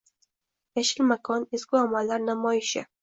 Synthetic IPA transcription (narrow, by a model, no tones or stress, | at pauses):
jaʃɪlmakʰɒneskʲʊamalːaɾnamɒjɪʃɪ̰